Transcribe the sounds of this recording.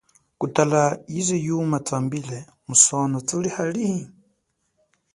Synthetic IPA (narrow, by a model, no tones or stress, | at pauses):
kutalajizɛjumat͡sambilɛ | musɔnɔt͡sulihali